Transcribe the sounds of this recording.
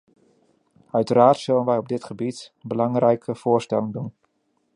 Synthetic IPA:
œɥtəɾaːɹtsɵlənʋɛjɔb̚dɪtχəbitbəlɑŋrɛjkʰəv̥ʊːɹstɛlɪŋdun

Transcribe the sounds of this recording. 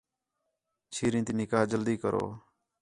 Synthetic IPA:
t͡ʃʰiːɾĩːt̪iːnɪkaːd͡ʒəld̪iːkəɾo̰ː

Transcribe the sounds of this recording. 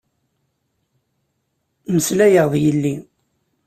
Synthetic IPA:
məslæjəʁðˤjəlːi

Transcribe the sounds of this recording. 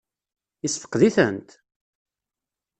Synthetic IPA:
isfə̥qðiθənt̪

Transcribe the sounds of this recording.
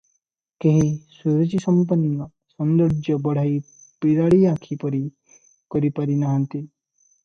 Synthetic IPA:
keɦisuɾɔt͡ʃisɔmpɔnima | sɔnd̪ɔɾd͡ʒjɔbɔɽ̤aj | piɾaɭiakʰipɔɾi | kɔɾipaɾinaɦant̪i

